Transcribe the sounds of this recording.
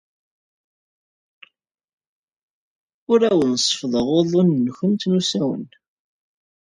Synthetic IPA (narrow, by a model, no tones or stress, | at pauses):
ʊɾæwənsˤə̥fðˤəʁoðˤʊnːçənt̪nusæwə̰n